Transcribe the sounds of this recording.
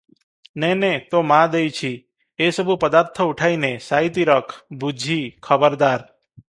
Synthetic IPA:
nɛnet̪omãd̪ejt͡ʃʰi | esəbʱupəd̪aɾt̪ʰəuʈʰainesait̪iɾəkʰbud͡ʒʱikʰəbəɾd̪aɾ

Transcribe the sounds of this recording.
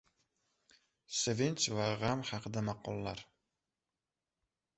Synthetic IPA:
sevent͡ʃvaʁamhɑqʰɨd̪amɑqɒlˠːaɾ

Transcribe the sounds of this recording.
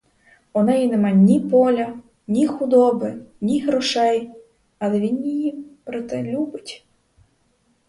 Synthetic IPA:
ɔnɛjinɛmɑjnʲipɔlʲɐ | nʲixʊd̪ɔbɪnʲiɦɾɔʃɛj | ɐlˠɛʋʲinjijipɾɪt̪ɛlʲubɪtʲ

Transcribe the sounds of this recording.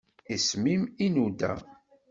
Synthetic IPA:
ismiminud̪æ̰

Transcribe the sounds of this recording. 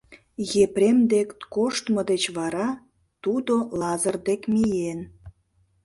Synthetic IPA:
jepɾʲemd̪ekkoʃt̪məd̪et͡ɕβɑɾɑ | t̪ud̪olɑzərd̪ekmijen

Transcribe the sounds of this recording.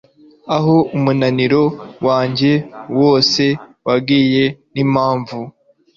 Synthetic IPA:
aɦo̞umunaniɾo̞waːɲɟe̞woːse̞wabɡiːje̞nimaːɱvu

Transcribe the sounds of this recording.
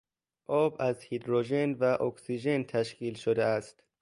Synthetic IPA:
ʔɒːbæzhid̪ɾoʒenvæʔoksiʒent̪ʰæʃkiːlʃod̪eæst̪

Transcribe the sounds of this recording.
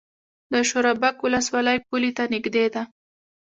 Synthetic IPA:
d̪əʃoɾabakwʊləswɑləjpulit̪anɪɡd̪ed̪a

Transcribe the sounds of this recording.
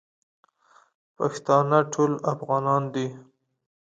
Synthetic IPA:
pɑ̰kɪ̥st̪ɑnaʈʰolafɣɑnɑnd̪i

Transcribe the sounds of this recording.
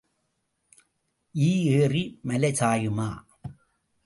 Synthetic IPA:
ʔiːeːrimɐlɐsaːjɯmaː

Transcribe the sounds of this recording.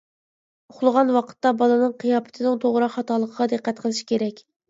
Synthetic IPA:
oχlˠəʁɑnwɑqʰə̥t̪ːɑbɑlˠɨnɨŋqʰijɑːpʰɪ̥t̪ʰɨnɪŋt̪ʰoʁɾɑqhɑt̪ɑlˠːəqʰəʁɑd̪ɨqːɛt̪qʰəlˠɨʃi̥kʲeɾɛkʲ

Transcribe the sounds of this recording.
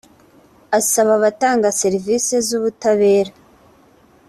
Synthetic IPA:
asaβaβataːŋɡase̞ɾivisezuβutaβe̞ːɾa

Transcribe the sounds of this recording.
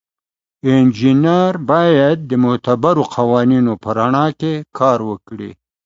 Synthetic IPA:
ɪnd͡ʒinaɾbɑjad̪̚ːəmʊt̪abaɾoqʰawɑninopəɾaɳɑkekʰɑːɾwəkɽḭ

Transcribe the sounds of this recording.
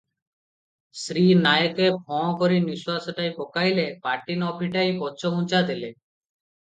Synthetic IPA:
sɾinajkepʰɔ̃koɾiniswasoʈajpokajlepaʈinɔpʰiʈajpɔt͡ʃʰoɦũt͡ʃad̪ile

